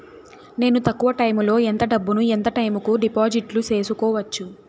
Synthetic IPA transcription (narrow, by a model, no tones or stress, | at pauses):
ne̞ːnut̪ɐkːuʋɐʈɐjmlo̞ːent̪ɐɖɐbːunuent̪ɐʈɐjmukuɖipaːd͡ʒiʈlut͡ʃe̞ːsukɔːʋɐt͡ʃːu